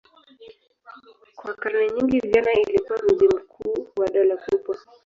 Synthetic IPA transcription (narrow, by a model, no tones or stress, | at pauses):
kwakaɾnaɲiŋɡiviʄanailikuaɾuzim̩kʰuːwaɗɔlakupwa